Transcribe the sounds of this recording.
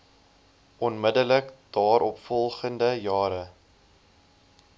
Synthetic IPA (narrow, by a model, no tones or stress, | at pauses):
ʔɔnmədələkd̥ɑːɾɔpfɔlˠχəndəjɑːɾə